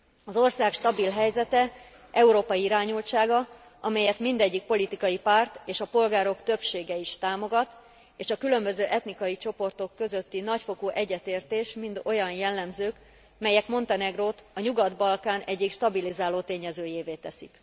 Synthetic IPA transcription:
ɒzo̞rsaːkʃt̪ɒbilɦɛjzɛt̪ɛ | ʔɛuɾoːpɒjiiɾaːɲult͡ʃaːɡɒ | ɒmɛjɛt̪mind̪ɛɟːik̚po̞lit̪ikɒjipart̪eːʃɒpo̞lɡaːɾo̞kt̪ø̞pʃeːɡɛiʃt̪aːmo̞ɡɒt̪ | eːʃɒkylø̞mbø̞zøːʔɛt̪nikɒjit͡ʃo̞po̞rt̪o̞kːø̞zø̞t̪ːinɒcfo̞kuːʔɛɟːɛt̪eːrt̪eːʃmint̪o̞jɒnjɛlːɛmzøːk | mɛjɛkmo̞nt̪ɒnɛɡroːt̪ɒɲuɡɒd̪bɒlkaːnɛɟːikʃt̪ɒbilizaːloːt̪eːɲɛzøːjeːveːt̪ɛsik

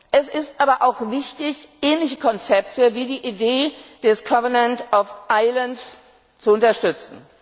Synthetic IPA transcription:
ʔɛsɪstʔaːbɐʔaʊxvɪçtɪçʔɛːnlɪçəkʰɔnt͡sɛp̚təviːdiːʔideːd̥ɛsɡ̥avɐnɛntɔfʔaɪlənts | t͡suʊntɐʃtʏt͡sn̩

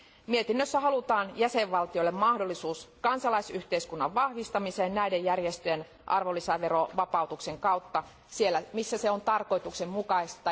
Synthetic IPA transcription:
miet̪inːøsːæɦɑlut̪ɑːnjæseʋʋɑlt̪ioilːemmɑhdolːisuːskɑnsɑlɑisyht̪e̞iskunːɑʋʋɑhʋist̪ɑmiseːnnæidejːærjest̪øjen | ʔɑ̰rʋolːisæʋeɾoʋɑpɑut̪ukse̞ŋkɑwt̪ːɑ | sielːæmisːæseo̞nt̪ɑrko̞it̪uksemmukɑistt̪ɑ

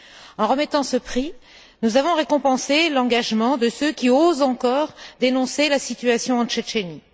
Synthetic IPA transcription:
ɑ̃ʁəmɛt̪ɑ̃səpχi | nuzavɔ̃ʁekɔ̃pɑ̃selɑ̃ɡaʒmɑ̃d̪əsøkʲiozɑ̃kɔʁd̪enɔ̃selasit̪ɥasjɔ̃ɑ̃t͡ʃɛt͡ʃeni

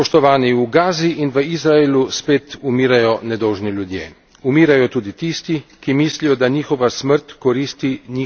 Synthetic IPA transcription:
pɔʃt̪ɔʋaːniuɡaːziʔinʋəizɾaeːluspeːt̪umiːɾajɔnɛd̪ɔwʒniljud̪jḛː | umiːɾajɔt̪uːd̪it̪ist̪ikimiːslijɔd̪aɲiːxɔʋasməɾt̪kɔɾiːst̪iɲiː

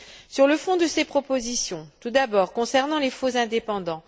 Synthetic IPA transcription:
syʁləfɔ̃d̪əsepχɔpozisjɔ̃t̪ud̪abɔʁkɔ̃sɛʁnɑ̃lefozɛ̃d̪epɑ̃d̪ɑ̃

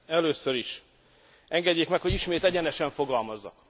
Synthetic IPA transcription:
ɛløːsøɾiʃ | ʔɛŋɡɛɟːeːkmɛkhoɟiʃmeːt̪ɛɟɛnɛʃɛɱfo̞ɡɒlmɒzːɒ̰k

